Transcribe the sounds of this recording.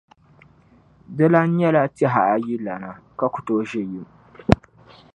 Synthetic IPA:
dɪ˦la˦ɲ˦ɐ˦la˦ti˦ɦa˨ʔa˦ji˦la˨na˨ka˦kʷʊ̥˨toː˦ʒɪ˦jɪ˦m

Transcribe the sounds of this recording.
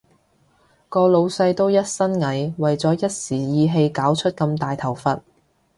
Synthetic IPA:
kɔː˧lo˨˧wsɐ˧jt̪o˥wjɐ˥t̚sɐ˥nŋɐ˨˥jwɐ˨˩jt͡sɔː˨˥jɐ˥t̚siː˨˩jiː˨˧ɦe˧jkaː˨˥wt͡ʃʰɵ˥t̚kɐ˧mt̪aː˨jt̪ʰɐ˨˩wfɐ˨t̚

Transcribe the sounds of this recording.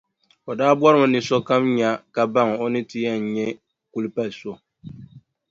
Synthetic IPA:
o˨daː˦bwɔ˦ɾɨ˦mɨ˨nɨ˨sɔ˦ka˦mɲa˦ka˨ba˦ŋ˨o˦nɨ˦ti˦ja˦n̩˨ɲɛ˦ | ku˦lɨ˦pa˦lso˦

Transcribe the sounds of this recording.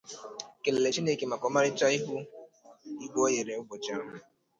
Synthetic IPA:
ke˨le˨le˨t͡ʃi˦ne˦˨ke˨ma˨kɔ˨˦ma˦ɾɪ˦t͡ʃa˦i˦ɦu˦ | i˦ɡʷo˦je˨ɾe˨ʊ˦bʊ˨t͡ʃa˦

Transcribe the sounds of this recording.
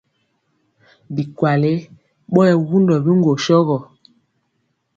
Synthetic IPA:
bi˨kwa˨le˦ | ɓɔ˦jɛ˨wu˦ndɔ˨bi˦ŋɡo˨ʃɔ˦ɣɔ˨

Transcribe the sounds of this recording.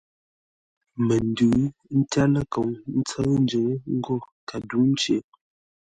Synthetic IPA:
mə˨n˦dʉː˨˦n̩˦ta˦lə˦ko˨ŋn̩˦t͡sə˦n˦d͡ʒə˨ŋ˦ŋ̩˦ɡɔ˦˨ka˨du˨˦n̩˦t͡ʃe˨˦

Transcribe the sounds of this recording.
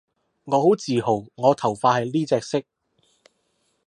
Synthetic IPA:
ŋɔː˨˧ho˨˥wt͡siː˨˩ho˨˩wŋɔː˨˧t̪ʰɐ˨˩wfaː˧thɐ˨jliː˥t͡sɛː˧k̚sɪ˥k̚

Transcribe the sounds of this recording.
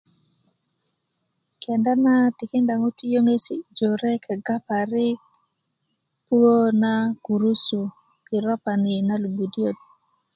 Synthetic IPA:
kʰɛ˨nda˦na˦ti˨ki˦nda˨ŋo˦ti˦jo˦ŋe˦si˦d͡ʒo˨ɾɛ˦kʰɛ˨ɡa˦pa˨ɾi˦ | pu˦o˦na˦ku˨ɾu˦su˨ | ki˨ɾɔ˦pa˨ni˨na˦lu˨bu˨di˦o˦t̚

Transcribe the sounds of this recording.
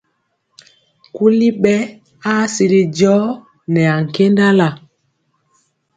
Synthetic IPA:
ku˦li˦ɓɛ˦ | a˦si˨ɾi˨d͡ʒɔ˦ | nɛ˨a˨ŋ̩˨ke˦nda˦la˨

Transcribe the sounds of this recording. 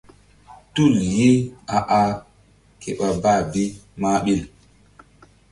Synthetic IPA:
tu˦˨lji˦a˨ʔa˨ | kɛ˨ɓa˨baː˦˨bi˦maː˦ɓi˦˨l

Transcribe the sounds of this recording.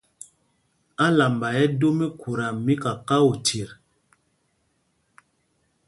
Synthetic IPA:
a˦la˨mba˨jɛ˦do˦me˦kʰu˨ɾa˨mi˦ka˨ka˦u˨tʰi˨ɾ

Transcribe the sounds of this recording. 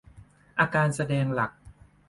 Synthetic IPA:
ʔaː˧kaː˧nsa˧dɛː˧ŋla˨˩k̚

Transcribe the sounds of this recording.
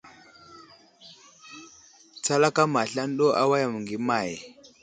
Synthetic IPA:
t͡sa˦la˦ka˦ma˨ɬa˦n˦ɗo˦ʔa̰˦wa˦ja˨mu˨ŋɡi˨ma˨j

